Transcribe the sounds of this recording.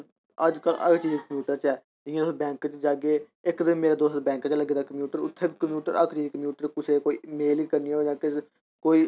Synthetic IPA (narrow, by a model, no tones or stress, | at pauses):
əd͡ʒkəlʔə̰kt͡ʃiːd͡ʒkəmjuːʈəɾt͡ʃɛː | d͡ʒɪãːd̪oːst̪bɛ̃ːŋkt͡ʃd͡ʒaːɡeː | ɪkd̪ɪmːmeːɾeːd̪oːst̪̚bɛ̃ːŋkt͡ʃləɡeːd̪aːkəmjuːʈəɾʊt̪ʰːeːbikəmjuːʈəɾəkt͡ʃiːd͡ʒkəmjuːʈəɾkʊsʰeːkoːiːmeːliːkəɾniːɛːd͡ʒãːkɪs | koːiː